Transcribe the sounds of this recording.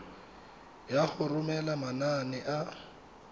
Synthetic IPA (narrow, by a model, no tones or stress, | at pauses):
jaɣʊrʊmɛlamananɪʔa